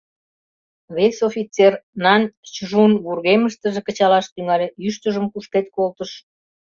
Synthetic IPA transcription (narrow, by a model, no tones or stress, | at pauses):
βesofit͡sernɑnʲt͡ɕəʒunβurɣeməʃt̪əʒekə̆t͡ɕɑlɑʃt̪yŋɑlʲeyʃt̪əʒəmkuʃket̪̚kolt̪əʃ